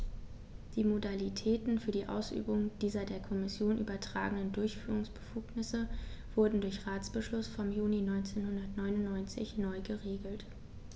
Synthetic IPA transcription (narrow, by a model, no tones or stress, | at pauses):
d̥iːmodalitʰɛːtn̩fyːɐdiːʔa̰ʊsʔy̰ːbʊŋd̥iːzɐdeːɐkʰɔmɪsjoːnʔy̰ːbɐtʁ̥a̰ːɡənəndʊɐçfyːʁ̞ʊŋsb̥əfuːknɪsəv̥ʊɐdn̩dʊɐçʁaːt͡sb̥əʃlʊsfɔmjuːninɔʏnt͡seːnhʊndɐtnɔʏnʊnnɔʏnt͡sɪ̰çnɔʏɡəʁeːɡl̩t